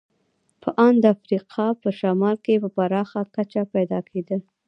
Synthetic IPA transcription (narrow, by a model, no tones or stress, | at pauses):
pəʔɑnd̪əafɾiqʰɑpəʃamɑlkepəpaɾɑxakat͡ʃapajd̪ɑkʰed̪ə